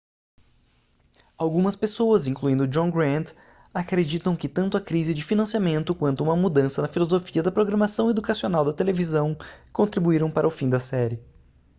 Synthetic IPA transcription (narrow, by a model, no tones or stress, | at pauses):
awɡũmɐspesowɐzĩŋkluĩnd̪ʊd͡ʒõɡɾɐ̃nt̪ | akɾed͡ʒit̪ɐ̃w̃kɪt̪ɐ̃nt̪ʊɐkɾizɪd͡ʒɪfinɐ̃siamẽnt̪ʊkwɐ̃nt̪ʊũmɐmud̪ɐ̃sɐnɐfilozofiɐd̪ɐpɾoɡɾɐmasɐ̃w̃ed̪ukasionawd̪ɐt̪elevizɐ̃w̃kõnt̪ɾibuiɾɐ̃w̃paɾɐʊfĩd̪ɐsɛɾɪ